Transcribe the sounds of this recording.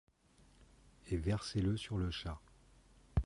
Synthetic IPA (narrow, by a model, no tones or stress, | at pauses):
evɛʁseləsyʁləʃa